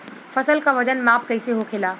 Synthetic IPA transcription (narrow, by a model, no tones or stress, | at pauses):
pʰəsəlkaʋəd͡ʒənmap̚kəɪseɦokʰela